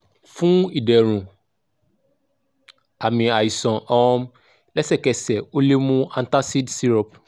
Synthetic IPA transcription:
fũ˦i˦˨dɛ˨ɾ̃ũ˨ | a˨mĩ˧a˨i˨sɔ̃˨ʔɔ˧ɔ̃˧m | lɛ˦sɛ˦˨kɛ˨sɛ˨o˦le˦mũ˦ã˦n̩˦ta˦si˦dsi˦ɾɔ˦p

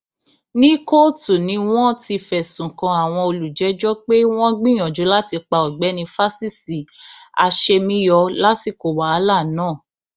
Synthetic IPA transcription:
nĩ˦ko˦tu˨nĩ˨˧˦w̃ɔ̃˦ti˧fɛ˨sũ˨kã˧a˨w̃ɔ̃˧o˧lu˨d͡ʒɛ˨˦d͡ʒɔ˦k͡pe˦w̃ɔ̃˦ɡ͡bĩ˦j̃ɔ̃˨d͡ʒo˨˦la˦ti˧k͡pa˧ɔ˨ɡ͡bɛ˨˦nĩ˧fa˦si˦˨si˨a˧ʃe˧mĩ˦jɔ˧la˦ti˦˨ko˨wa˨˦˨la˦˨nãː˦˨

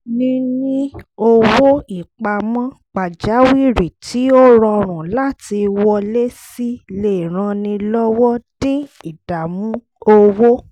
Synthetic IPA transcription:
nĩ˧nĩ˦o˧wo˦i˨k͡pa˧˨mã˦ | k͡pa˨d͡ʒa˨˦wi˦˨ɾi˨tʰi˨˦o˦ɾɔ˧o˧ɾ̃ũ˨la˦ti˧wɔ˧le˦si˦le˦˨i˨ɾ̃ã˧nĩ˧lɔ˦wɔ˦d̥ĩ˦i˨d̥a˨mũ˦ | o˧wo˦

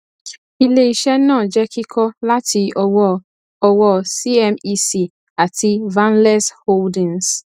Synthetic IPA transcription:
i˦le˨i˨ʃɛ˦nãː˦˨d͡ʒɛ˦ki˦kʰɔ˦la˦ti˧˦ | ɔ˧wɔ˦˨si˦ɛ˦mi˦si˨ | a˨tʰi˧vã˦nlɛ˦sho˦ldĩ˨ŋs

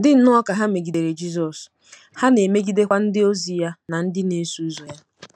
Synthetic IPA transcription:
dɪ˦n̩˦nʊ˦ɔ˦ka˨ɦa˦me˨ɡi˨de˨ɾe˨d͡ʒi˦zɔ˨s | ha˦ne˨me˦ɡi˦de˦kʷa˦n̩˦dɪ˦o˦zi˨ja˦na˨n̩˦dɪ˦ne˦su˦u˦zo˨ja˦

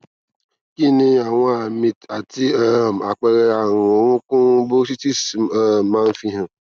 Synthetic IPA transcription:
ki˦ni˦a˨ŋʷa˦˨mi˨ta˨ti˦a˦˨m̩˨a˨k͡pe˦ɾe˦a˦˨ŋʊ˨o˨ŋʷʊ˦kʊ˦bʊ˦s̬i˦ti˦sma˦n̩˦fi˦ɦã˨

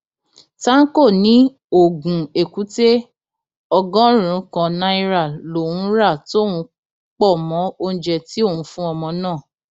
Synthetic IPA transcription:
ta˦n̩˦ko˦˨nĩ˨˦ | o˨ɡũ˨e˨ku˨˦te˦ | ɔ˧ɡɔ̃˦ɾ̃ũ˨˧˦kã˧nã˨˦i˧ɾa˦˨lo˨wũ˨˦ɾa˦˨to˦˨wũ˨˧ | k͡pɔ˦˨mɔ̃˨˦o˧ñ̩˨˦d͡ʒɛ˧˨ti˦o˦˨wũ˨˦fũ˦ɔ˧mɔ̃˧nãː˦˨

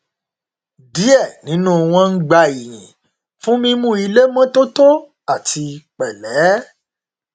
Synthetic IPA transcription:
di˨˦ɛ˦˨nĩ˨˦nũ˦˨w̃ɔ̃˧n̩˦ɡ͡ba˧i˨j̃ḭ̃˨ | fũ˦mĩ˧mũ˦i˧le˦mɔ̃˦to˦to˦ | a˦˨tʰi˧k͡pɛ˨lɛ˨˦

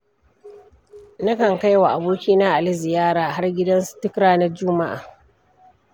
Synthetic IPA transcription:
na˦kɐ˨ŋka˦jwa˨ʔa˨boː˦kʲiː˦naː˦ʔa˨lɪ˦zɪ˨jaː˦ɽaː˨ɦa˦rɡʲɪ˦dɐ˦nstɪ˦kɾaː˦nɐ˦d͡ʒʊ˦ma˦ʔa̰ː˨

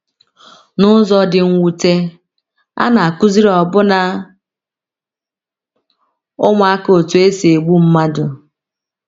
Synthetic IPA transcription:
nʊ˦zɔ˨dɪ˨ŋ̩˦wu˨te˦ | a̰˦na˨a˨ku˦zi˦ɾɔ˨bʊ˦na˨ | ʊ˦ŋʷ˦a˦ko˨tu˨e˦si˨e˨ɡ͡bu˦m̩˦ma˦dʊ˨

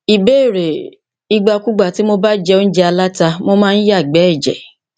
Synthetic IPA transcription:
i˨be˦˨ɾe˨ | i˧ɡ͡ba˧ku˦ɡ͡ba˦˨ti˨˦mo˦ba˦d͡ʒɛ˧o˦n̩˦d͡ʒɛ˧a˧la˦ta˧mo˦mãː˦n̩˦ja˦˨ɡ͡bɛ˨˦ɛ˦˨d͡ʒɛ̰˨

